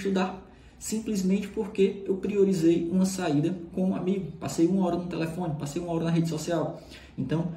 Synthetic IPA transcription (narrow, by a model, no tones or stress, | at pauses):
ʃt̪ud̪aɾ | sĩplizmẽt͡ʃɪ̥poɾkeewpɾioɾizejũmɐsaid̪ɐkõũa̰miɡʊpasejũmɐɔɾɐnʊt̪ɛlefõnɪpasejũɐɔɾɐnɐɦed͡ʒɪsɔsiaw | ẽt̪ɐ̃w̃